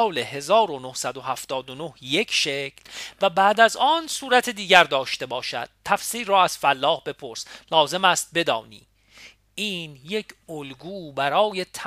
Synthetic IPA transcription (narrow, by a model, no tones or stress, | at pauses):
le̞ɦe̞zɒːɾonohsæd̪o̞hæft̪ɒːd̪ono̞hje̞cʰʃecʰlvæbæːd̪æzɒːnsuːɾæt̪ʰed̪iːɟæɾd̪ɒːʃt̪e̞bɒːʃæ̰d̪̥̚t̪ʰːæfsiːrɒːæz̥fælːɒːhbe̞pʰo̞ɾslɒːze̞mæst̪̚bed̪ɒ̰ːnḭː | iːnje̞cʰolɡuːbæɾɒːje̞t̪ʰ